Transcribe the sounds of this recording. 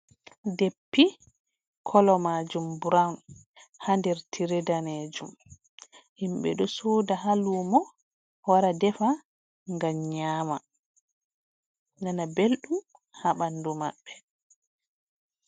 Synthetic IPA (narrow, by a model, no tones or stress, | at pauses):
depːi | kʰɔlɔmaːd͡ʒumbuɾawn | handɛɾtʰiɾɛdaned͡ʒum | himɓɛ̰ɗɔsoːdaɦaluːmɔ | waɾadɛfa | ŋɡamɲaːma | nanabelɗum | haɓanduma̰ɓːɛ